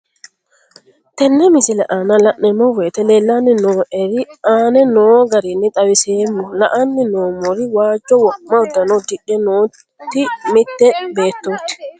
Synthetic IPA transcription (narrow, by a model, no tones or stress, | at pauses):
t̪ɛnːɛmɪsɪlɛʔaːnɐlɐʔnɛmːɔweːt̪ɛleːlːaːnːɪnoːʔɛɾɪaːnɛnoːɡɐɾɪnːɪt̪ʼɐwɪseːmːɔlɐʔɐnːɪnoːmɔɾɪwaːd͡ʒːɔwɔmɐɔd̪ːɐnɔd̪ɪʔɛnoː | t̪ːɪmɪt̪ːɛbeːt̪ːoːt̪ːɪ̥